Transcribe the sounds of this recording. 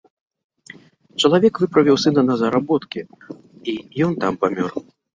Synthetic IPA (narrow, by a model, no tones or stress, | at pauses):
t͡ʂɐlˠavʲɛkvɨpɾɐvʲiwsɨnɐnɐzɐɾabɔt̪kʲɛ | ijɔnt̪ampamʲɔr